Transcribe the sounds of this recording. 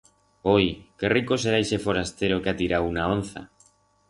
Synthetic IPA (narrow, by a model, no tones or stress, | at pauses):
ojkerikoseɾajʃefoɾast̪eɾokeat̪iɾawunaonθa̰